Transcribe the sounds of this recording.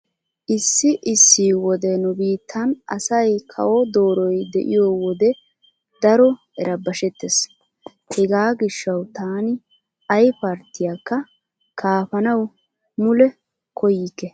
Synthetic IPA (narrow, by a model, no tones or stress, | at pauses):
ʔɪsːɪʔɪsːiːwɔd̪ɛnʊbiːt̪ʰːɐnʔɐ̰sɐjkʰɐ̰wɔd̪oːɾɔjd̪ɛ̰ʔɪ̰jowɔd̪ɛ | d̪ɐɾɔ | ɛɾʔɐbɐʃɛt̪ːes | hɛɡaːɡɪʃːɐwt̪aːnɪ | ɐjpɐɾt̪ːɪjakːɐ | kʰaːfɐnɐw | mʊlɛ | kʰɔjɪkːɛ